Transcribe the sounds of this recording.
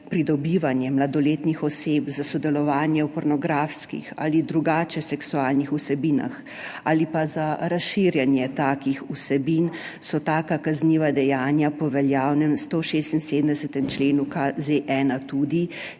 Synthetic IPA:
pɾid̪ɔbiːʋanjɛmlad̪ɔleːt̪nixɔsepzasɔd̪ɛlɔʋaːnjɛwpɔɾnɔɡɾaːfskḭxa̰lid̪ɾuɡaːt͡ʃɛsɛksuaːlnixusɛbiːna̰x | aːlipazaɾasʃiːɾjɛnjɛt̪aːkixusɛbin | sɔt̪aːkakazniːʋad̪ɛjaːnjapɔʋɛljaːwnɛmst̪oʃeːst̪inseːd̪əmnd̪ɛsɛt̪ɛmt͡ʃleːnukazeʔɛːnat̪uːd̪i

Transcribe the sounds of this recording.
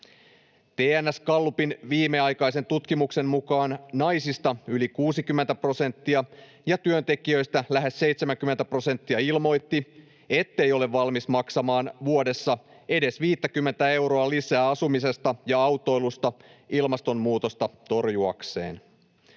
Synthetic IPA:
t̪eːænːæskɑlːupinʋiːmːeɑjkɑise̞nt̪ut̪kimukse̞nmukɑːnnɑjsist̪ɑylikuːsikymːe̞nt̪æpro̞se̞nt̪ːiɑ | jɑt̪yønt̪e̞kiø̞jst̪ælæɦe̞sːe̞ijt̪semæŋkymːet̪æpro̞se̞nt̪ːiɑilmo̞jt̪ːi | e̞t̪ːe̞jo̞le̞ʋːɑlmismɑksɑmɑːnʋuo̞de̞sːɑ | e̞de̞sʋiːt̪ːækymːent̪æe̞wɾo̞ɑlisæːɑsumise̞st̪ɑjɑɑwt̪ːo̞jlust̪ɑilmɑst̪o̞mmuːt̪ost̪ɑt̪o̞rjuɑ̰kse̞̰ːn

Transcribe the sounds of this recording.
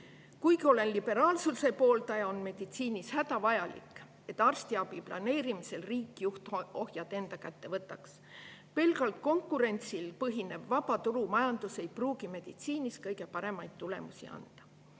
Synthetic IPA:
kujkio̞le̞nlib̥e̞ɾɑːlsulse̞po̞ːlt̪ɑjɑonme̞d̪̥it̪siːnʲishæd̪ɑvɑjɑlḭkːˑ | e̞t̪ːˑɑrst̪iɑbiplɑ̰ne̞ːɾimise̞lriːkˑːijuht̪o̞hjɑt̪e̞nd̪ɑkæt̪ːe̞vɤt̪ːˑɑks | pe̞lɡ̥ɑlt̪̚ko̞ŋkːˑuɾe̞nʲt̪silpɤɦine̞bvɑbɑt̪uɾumɑjɑnd̪̥use̞jpruːɡime̞d̪̥it̪siːniskɤjɡe̞pɑɾe̞mɑjd̪̥̚t̪ːule̞̰musḭɑ̰nd̪̥ɑ̥

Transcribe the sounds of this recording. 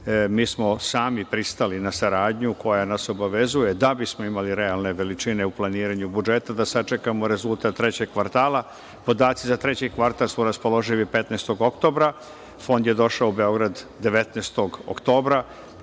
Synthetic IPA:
miːsmo̞saːmipɾist̪alinasaɾaːd̪ɲuko̞janaso̞baʋe̞zujed̪abismo̞imaliɾealˠne̞ʋe̞lit͡ʃine̞uplaniːɾaɲubud͡ʒe̞t̪ad̪asat͡ʃekamo̞ɾe̞zulˠt̪at̪ːɾe̞t͡ɕe̞ɡkːʋaɾt̪aːla | po̞d̪aːt̪sizat̪ɾe̞t͡ɕekʋaɾt̪alsuɾaspo̞lo̞ʒiʋipe̞t̪neːst̪o̞ɡo̞kt̪o̞ːbɾa | fo̞nd̪je̞d̪o̞ʃaoube̞o̞ɡɾad̪d̪e̞ʋe̞t̪neːst̪o̞ɡo̰kt̪o̞ːbɾa

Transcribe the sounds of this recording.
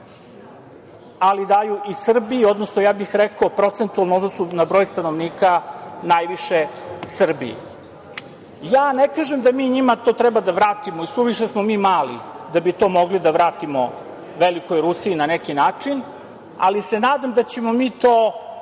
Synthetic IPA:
alid̪ajuʔisr̩biio̞d̪nosnojaːbixɾɛkopɾo̞t̪sent̪ualnuod̪nosunabɾo̞ːjst̪anoʋniːkanajʋiʂesr̩bḭḭ | jaːnekaʒemd̪amiːɲimat̪o̞ːt̪ɾɛbad̪aʋɾaːt̪imoisʋuʋiʃesmomiːmaːlḭd̪abit̪o̞moɡlid̪aʋɾaːt̪imo̞ | ʋeliko̞jɾusiːnanekinaːt͡ʂin | a̰lisenaːd̪amd̪at͡ɕe̞mo̞miːt̪oː

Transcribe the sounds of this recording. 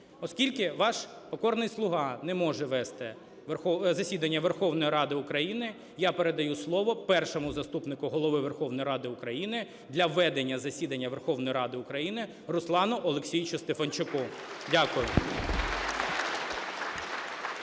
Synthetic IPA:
ɔskʲilʲkɪʋɑʃ | pɔkɔrnɪjslˠʊɦɑnɛmɔʒɛʋɛst̪ɪ | ʋɔzɐsʲid̪ɐnʲːɐʋerxɔwnɔjiɾɑd̪ɪʊkɾɐjinɪ | japeɾe̞d̪ɐjuslˠɔʋɔpɛrʃɔmʊzɐst̪upnɪkʊɦɔlˠɔʋɪʋerxɔʋnɔjɾɑd̪ɪʊkɾɐjinɪ | d̪lʲɐʋɛd̪enʲːɐzɐsʲid̪ɐnʲːɐʋerxɔwnɔjiɾɑd̪ɪʊkɾɐjinɪ | rʊslˠɑnɔʔɔlˠeksʲijt͡ʃʊst̪efɐnt͡ʃʊkɔdʲakʊjʊ

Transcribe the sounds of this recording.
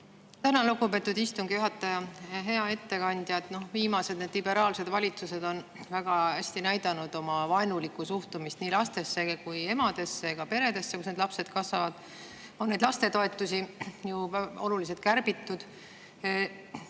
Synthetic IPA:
t̪ænɑlukːupe̞t̪ːˑud̪ist̪uŋɡ̥ijuɦɑt̪ːˑɑjɑɦe̞ɑe̞t̪ːe̞kɑnʲd̪̥jɑt̪ˑno̞hviːmɑse̞d̪̥ned̪libe̞ɾɑːlse̞d̪̥vɑlʲit̪suse̞d̪o̞nvæɡ̥ɑhæsʲt̪inæjd̪ɑnud̪̥o̞mɑvɑjnulikːˑusuht̪umist̪niːlɑst̪e̞sːe̞kuje̞mɑd̪̥e̞sːeɡ̥ɑpe̞ɾe̞d̪e̞sːekusne̞d̪lɑpse̞d̪kɑsvɑvɑd̪̥ | o̞nːe̞jd̪lɑst̪e̞t̪o̞e̞t̪ːˑusijuolulis̬et̪̚kærb̥it̪ːud̪̥

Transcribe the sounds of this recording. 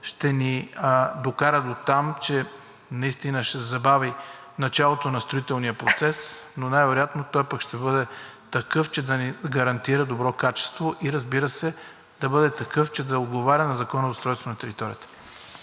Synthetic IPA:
ʃt̪ɛnid̪okaɾəd̪ot̪amt͡ʃɛ | nɐist̪inəʃɛzɐbavi | nɐt͡ʃalˠot̪onɐst̪ɾoit̪ɛlˠnijəpɾot̪sɛsnonajvɛɾojat̪not̪ɔjpəkʃt̪ɛbɤd̪ɛt̪ɐkɤft͡ʃɛd̪ɐniɡɐɾɐnt̪iɾəd̪obɾɔkat͡ʃɛ̥st̪voʔiɾɐzbiɾəsɛ | d̪ɐbɤd̪ɛt̪ɐkɤft͡ʃɛd̪ɐod̪ɡovaɾʲənɐzɐkɔnəzɐsɾɔjst̪vonɐt̪ɛɾit̪ɔɾʲijət̪ə̥

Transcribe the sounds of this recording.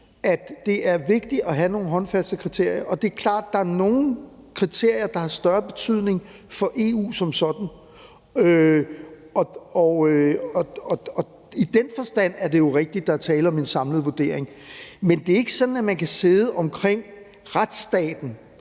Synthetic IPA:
æd̥ːe̝æɐʋe̝ɡ̥̚d̥iɒ̽ɦæno̝ːn̩ɦɒ̽nfæsd̥əkʰʁit͡sʰe̝ɐ̰jɐʔɒ̽d̥e̝æɐkʰlɑ̰̈ːd̥̚ːɑ̈æɐno̝ːn̩ | kʰʁit͡sʰe̝ɐ̰jɐd̥ɑ̈hɑ̈sd̥ɶɐb̥e̝t͡sʰyð̰ˠne̝ŋ | fɒ̽ʔe̝ːṵːsɒ̽msɒ̽d̥n̩ | ø | ɒ̽ɒøɒɒ̽ɒ̽ | id̥enfɒ̽sd̥æn̰æɐde̝jo̝ʁeɡ̥̚d̥id̥ːɑ̈æɐt͡sʰɛːləɒ̽me̝nsɑ̈mləð̩ˠʋoɐd̥e̝ɐ̰eŋ | mend̥e̝æɐe̝ɡ̥əsɒ̽d̥n̩æmænkʰæse̝ð̞ˠəʔɒ̽mkʰʁeŋ̰ | ʁad̥sd̥ɛ̰ːd̥n̩

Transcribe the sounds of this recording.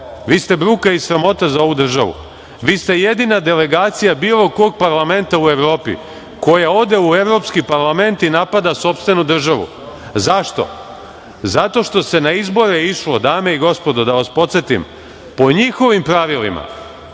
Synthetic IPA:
ʋiːst̪e̞bɾuːkaisɾamo̞t̪azao̞ʋud̪r̩ʒaʋṵ | ʋiːst̪e̞jed̪inad̪e̞le̞ɡaːt̪sijabiːlˠo̞ko̞ɡ̚paɾlˠame̞nt̪aue̞ʋɾo̞ːpḭ | ko̞jao̞d̪e̞ueʋɾo̞pskipaɾlˠame̞nt̪inapad̪aso̞pst̪ʋe̞nud̪r̩ʒaʋṵ | zaʃt̪o̞̰ | zat̪o̞ʃt̪o̞se̞naizbo̞ɾeiʃlo̞d̪aːme̞iɡo̞spo̞d̪o̞d̪aʋaspo̞t̪se̞t̪ḭm | po̞ɲixo̞ʋimpɾaʋilḭma̰

